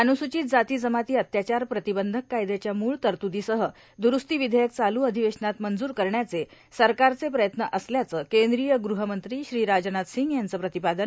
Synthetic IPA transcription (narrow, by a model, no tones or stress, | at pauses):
ənusut͡ɕiːt̪̚d͡zat̪iːd͡zəmat̪iːət̪jat͡ɕaɾpɾət̪ibənd̪ʱəkːajd̪et͡ɕjamuːɭt̪əɾt̪ud̪iːsəɦə | d̪uɾust̪iːʋid̪ʱəjək̚t͡saluːəd̪ʱiʋeʂnat̪mənd͡zuːɾkəɾɳjat͡se | səɾkaɾt͡sepɾəjət̪nəʔəsljat͡səːkẽnd̪ɾijəɡɾuɦəmənt̪ɾiɕɾiːɾad͡ʑnat̪siŋɡjant͡səːpɾət̪ipad̪ən